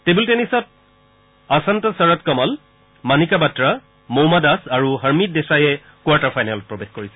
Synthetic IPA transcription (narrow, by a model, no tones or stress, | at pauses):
tebultenisɔt̚ | asantɔsaɹatkɔmɔl | manikabatɹa | mowmadasaɹuɦəɹmit̚desajɛ | kwaɹtaɹfʰajnalɔpɹɔbexkoɹisɛ